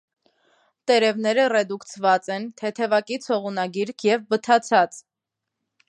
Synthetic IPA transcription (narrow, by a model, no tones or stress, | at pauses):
t̪ɛɾɛvnɛɾərɛd̪ukt͡sʰvɑt͡sɛnt̪ʰɛt̪ʰɛvɑkit͡sʰhɔʁunɑɡiɾkʰjɛvbət̪ʰɑt͡sʰɑt͡s